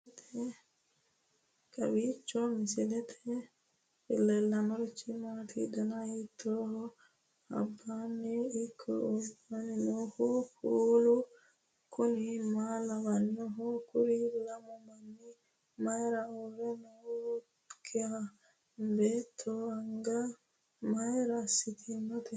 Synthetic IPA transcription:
t̪ʰɛ | kɐ̰wiːt͡ʃːɔmɪsɪlɛt̪ʰɛ̥ | fɪlːɛlːɐnɔɾit͡ʃːimaːt̪ʰḭd̪ɐnɐit̪ʰːoːhɔ | ɐ̰bːanːiːkʰːɔ̰ɔbaninɔhɔkuːlu | kʰʊnɪmaːlɐbɐnːɔɦɔkʊɾɪlɐmɔmɐnːɪ | mɐjɾɐɔɾɛnɔ | kʰːɪa | beːt̪ʰːɔɐŋɡɐ | mɐjɾɐsːɪt̪ʰɪnːɔt̪ɛ

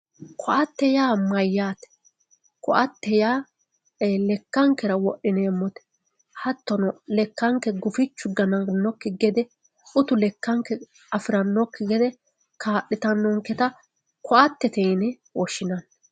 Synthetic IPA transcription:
kʰɔʔɐt̪ːɛjaːmɐjːaːt̪ɛ̥ | kɔʔɐt̪ːɛjaː | lɛkːɐŋkːɛɾɐwɔʔɪneːmːɔt̪ɛ̥ | hɐt̪ːɔnɔlɛkːɐŋkːɛɡʊfɪt͡ʃːʊɡɐnɐnːɔkːɪɡɛd̪ɛ | ʊt̪ʊlɛkːɐŋkːɛ | ɐfɪɾɐnːɔkːɪɡɛd̪ɛ | kʰaːɗːɪt̪ɐnːɔŋkːɛt̪ɐ | kʰɔʔɐt̪ːɛt̪ɛjnɛ | wɔʃːɪnɐn

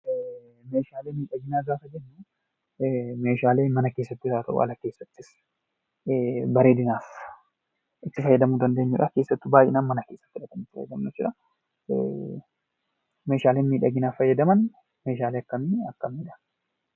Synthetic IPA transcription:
me̞ːʃaːleːmiːᶑɐɡɪnaːɡaːfɐd͡ʒɛnːu | me̞ːʃaːle̞ːmɐnɐke̞ːsːɐt̪ːɪtaːt̪ɐʔʊ̰ʔɐ̰lɐke̞ːsːɐt̪ːɪs | bɐɾeːd̪ɪnaːf | ʔɪt̪ːɪfɐjːɐd̪ɐmud̪ɐnd̪e̞ːɲːʊᶑɐkeːsːɐt̪ːɪbaːjɪnɐnmːɐnɐke̞ːsːɐ̥ːɪᶑɐt̪ɐmɪt̪ːɪfɐ̰jɛ̰d̪ɐmnɛt͡ʃːʊᶑɐ | me̞ːʃaːleːnmiːᶑɐɡɪnaːfɐjːɐd̪ɐmɐn | me̞ːʃaːleːɐkːɐmiɐkːɐmiːᶑɐn

